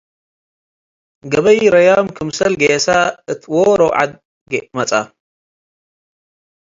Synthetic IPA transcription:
ɡɐβɐjɾɐjamkʰɨmsɐlɡesaɨt̪ʰwoɾoʕa̰d̪̚ | ɡmɐt͡sʼa

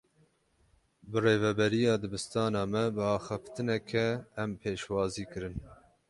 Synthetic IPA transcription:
bɨreːvɛbɛɾijɑːd̪ɨbɨst̪ɑːnɑːmɛbɨɑːxɨft̪ɨnɛkʰɛːmpʰeːʃwɑːziːkɨɾɨn

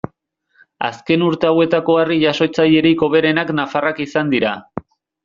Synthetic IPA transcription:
a̰ske̞nuɾt̪e̞awe̞t̪ako̞ariʝaso̞t͡saje̞ɾiko̞βe̞ɾe̞naknafarakisand̪iɾa

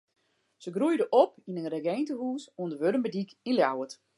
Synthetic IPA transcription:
səɡrujdəʔɔpinənrəɡɛjntəhuːsuəndəʋøɾəmbədikinljawət

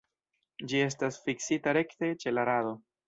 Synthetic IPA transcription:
d͡ʒie̞s̬tasfiksitaɾe̞kte̞t͡ʃe̞laɾaðo̞

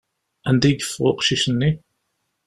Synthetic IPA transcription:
ænd̪iɡfʁo̰qʃiʃənːi

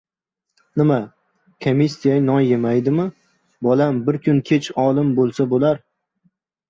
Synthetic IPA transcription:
nɪma | kʰomisːijanɒnjemajd̪ɪmɪ | bɒlambɪɾkʲʰʊnkʲʰet͡ʃɒlˠɪmbolˠsabolaɾ

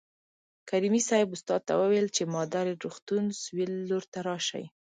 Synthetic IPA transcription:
kaɾimisɑjɪbʊst̪ɑd̪̚t̪a̰wəwejlt͡ʃemɑd̪aɾeɾuxt̪unswilːoɾt̪aɾɑʃa̰j

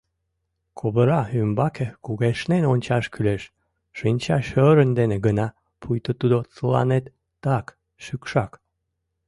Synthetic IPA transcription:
kʰoβəɾɑymbɑkekuɣeʃnenonʲt͡ɕɑʃkyleʃ | ʃinʲt͡ɕɑʃøɾənd̪eneɡənɑ | pʰujt̪ot̪ud̪ot͡səlɑ̰net̪ː | ɑk | ʃykʃɑk

